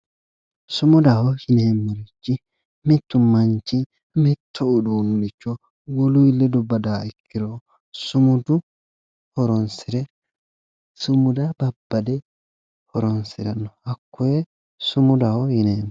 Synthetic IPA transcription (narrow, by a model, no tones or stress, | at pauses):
sʊmʊd̪ɐhɔhɪneːmːɔɾɪt͡ʃːɪ | mɛt̪ːʊmːɐnt͡ʃːɪ | mɛt̪ʰːɔʊd̪uːnʊnɪt͡ʃːɔ | wɔlʊjlːɛd̪ɔbːɐd̪aːɪkːɪɾo | sʊmʊd̪ʊ | hɔɾɔnsɪɾɛ | sʊmʊd̪ɐbɐbːɐd̪ɛ | hɔɾɔnsɪɾɐnːɔhɐkːɔjɛ | sʊmʊd̪ɐhɔhɪnemː